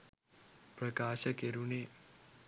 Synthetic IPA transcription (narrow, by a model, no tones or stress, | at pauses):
pɾɐkaːʃəkeɾune